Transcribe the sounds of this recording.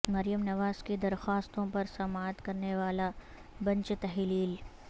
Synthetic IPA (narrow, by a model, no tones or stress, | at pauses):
mɐɾijəmnɐʋaːzked̪ɐɾxaːst̪õpɐɾsɐmaːt̪kɐɾneʋaːla | bɐ̃ɲt͡ʃt̪ɐɦliːl